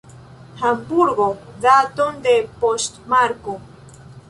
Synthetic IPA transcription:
hambuɾɡodat̪ond̪epost̪maɾko

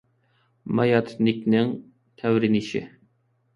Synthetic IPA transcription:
mɑjɑt̪ʰnɪkʲnɪŋ | t̪ʰɛwɾɪnɪʃɪ̰

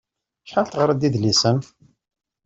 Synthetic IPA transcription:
ʃħalt̪ʁɾˤəd̪iðlisən

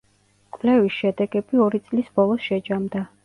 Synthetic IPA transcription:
kʼlɛvisʃɛd̪ɛɡɛbiɔɾit̪sʼlisb̥ɔlˠɔsʃɛd͡ʒamd̪a

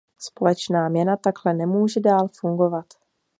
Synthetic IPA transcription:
spo̞lɛt͡ʃnaːmɲɛnat̪aklɛnɛmuːʒɛdaːlfuŋɡo̞vat̪

